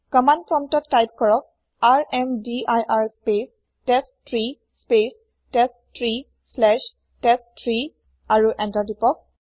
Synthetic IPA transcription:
kɔmandpɹɔmtɔtkajp̚kɔɹɔk̚ | aɹɛmdiʔajʔaɹspes | tɛstɹi | spes | tɛs | tɹi | sːlɛʃ | tɛsʰɹi | aɹuʔɛ̃ntadipɔk̚

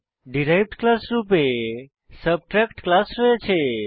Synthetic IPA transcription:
ɖiɾajbʈklasɾupe | səb̚ʈɾɛkʈklasɾoet͡ʃʰe

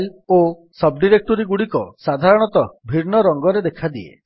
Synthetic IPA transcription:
lo | sɔb̚ɖiɾek̚ʈɔɾiɡuɽikɔsad̪ʱaɾɔɽ̃ɔt̪ɔbʱiɾnɔɾɔŋɡɔɾed̪ekʰad̪iḛ

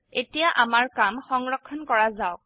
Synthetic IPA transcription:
etijaʔamaɹkamxɔŋɹɔkʰːɔnkɔɹazaʊk̚

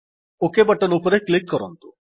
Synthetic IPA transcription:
okebɐʈɔnupɔɾeklikːɔɾɔ̰nt̪u̥

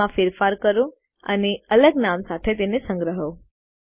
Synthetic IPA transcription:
ãfiɾfaɾkəɾũ | a̰niələɡnamsat̪ʰet̪̬enesə̃ŋɡɾəɦo

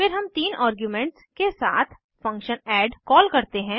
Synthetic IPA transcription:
fɪɾɦɐmt̪iːnʔaːɾɡjumɛ̃ːɳʈskesa̰ːt̪ʰ | fɐ̃ŋkʃənɛːɖkɔːlkɐɾt̪eɦɛ̃ː

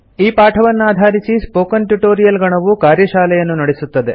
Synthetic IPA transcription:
iːpaːʈʰɐʋɐnːuaːd̪ʱaːɾisispo̞ːkɐnʈuʈoːɾijɐlɡɐɳɐʋukaːɾjɐʃaːlɛjɐnːunɐɽesut̪ːɐd̪e̞̰

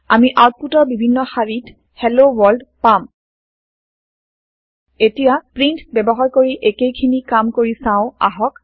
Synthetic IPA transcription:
amiʔawt̚putɔɹbibʱinːɔxaɹit | hɛlowɔldpam | etijapɹintbɛbɔɦaɹkoɹiʔekejkʰinikamkoɹisãʊ̃a̰ɦɔk

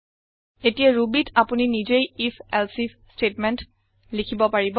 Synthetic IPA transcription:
etijaɹubitʰapuninizejifʰɛlsifʰ | stetmɛnt | likʰibɔpaɹibɔ

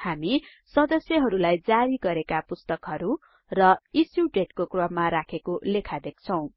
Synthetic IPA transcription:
hami | sʌd̪ʌsjʌɦʌɾulajd͡zaɾiɡʌɾekapust̪ʌkɦʌɾu | rʌisjuɖeʈkokrʌbmaɾakʰekolekʰad̪ek̚t͡sʰʌw̃

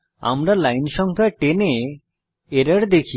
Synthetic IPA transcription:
a̰mɾalajnʃɔŋkʰaʈene | eɾaɾd̪ekʰi

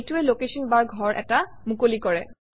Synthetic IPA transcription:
tuɛlokesɔnbaɹɡʱɔɹʔɛ̰tamukolikɔɹɛ

